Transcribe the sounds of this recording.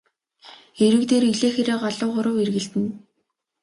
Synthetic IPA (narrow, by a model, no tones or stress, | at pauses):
eɾɘ̆kt̪eːɾiɮeːxeɾeːɢaɮʊːχʊɾʊ̆werɣɘ̆ɬt̪ɘ̆n